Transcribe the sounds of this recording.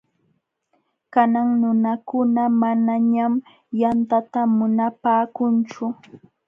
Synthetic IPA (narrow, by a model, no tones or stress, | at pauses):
kanaŋnʊnakʊnamanaɲam | jant̪at̪amʊnapaːkʊnt͡ʃʊ